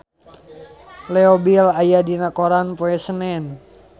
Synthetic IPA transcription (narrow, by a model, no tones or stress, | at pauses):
lɛobilajadinakoɾanpoɛsənɛn